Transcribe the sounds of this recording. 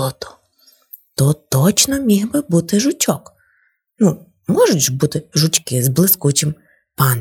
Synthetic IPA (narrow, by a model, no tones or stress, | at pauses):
ɔt̪ɔ̥ | t̪ɔt̪ɔt͡ʃnɔmʲiɣbɪbut̪ɪʒʊtʲɔk | nu | mɔʒʊtʲʒbut̪ɪʒʊt͡ʃʲkɪzblˠɪskut͡ʃɪm | pɑn